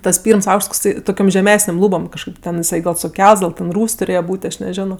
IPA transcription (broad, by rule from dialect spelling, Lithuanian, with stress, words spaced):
ˈtɐs ˈpʲiːrms ˈɐʊkʃts toːkˈsɐɪ toːˈkʲoːm ʒʲɛˈmʲæːsʲnʲeːm ˈlˠuːboːm kɐʃˈkɐɪp tʲɛn ɪˈsɐɪ sʊˈkʲɛlˠts ɡɐlˠ tʲɛn ˈruːsʲ tʊˈrʲeːjɛ ˈbuːtʲ ɐʃ nʲɛˈʒʲæːnoː